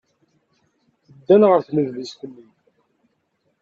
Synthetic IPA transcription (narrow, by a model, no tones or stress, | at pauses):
θəd̪ːænʁəɾθməðliskənːim